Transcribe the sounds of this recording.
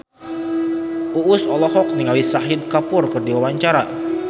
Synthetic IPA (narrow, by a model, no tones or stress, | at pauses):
ʔuʔʊsɔlɔɦɔk̚niŋalisaɦɪd̪̚kapʊrkərdiwawaɲt͡ʃaɾa̰